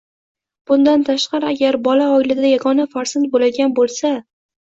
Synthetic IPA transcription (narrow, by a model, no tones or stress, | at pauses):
b̥ʊnd̪ant̪ʰaʃqɑɾɪaɡʲaɾbɒlaɒjlɪd̪ajaɡɒnafaɾsant̪̚bolaɡʲanbolˠsa